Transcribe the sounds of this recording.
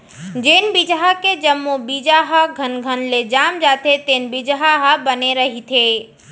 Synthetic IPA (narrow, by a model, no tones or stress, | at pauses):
d͡ʒeːnbid͡ʒɦaked͡ʒəmːubid͡ʒaɦəɡʱənɡʱənled͡ʒaːmd͡ʒaːt̪ʰet̪eːnbɪd͡ʒɦaɦəbɐneɾɐɦit̪ʰeː